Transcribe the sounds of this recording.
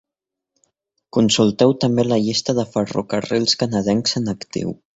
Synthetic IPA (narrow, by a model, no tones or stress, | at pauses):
kunsulˠt̪ɛwt̪əmbeləʎist̪əðəfərṵkərilˠskanəðɛŋsənəkt̪ḭw